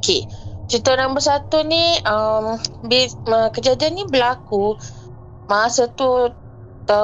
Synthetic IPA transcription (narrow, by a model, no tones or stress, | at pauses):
oket͡ʃit̪oɾaŋbəsat̪uniəmbiəkəd͡ʒadianːibəlaku | masat̪u | t̪ə